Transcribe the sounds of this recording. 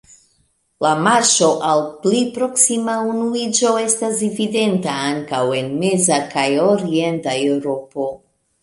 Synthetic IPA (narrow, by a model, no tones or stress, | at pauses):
lamaɾʃo̞ʔalplipɾo̞ksimaunuid͡ʒo̞e̞stasevide̞ntaaŋkawe̞nme̞zakajoɾie̞ntaewɾo̞po̞